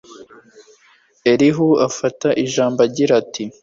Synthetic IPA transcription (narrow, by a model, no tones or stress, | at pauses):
eɾiɦuafataʔiʒaːmbaɟiɾatʰi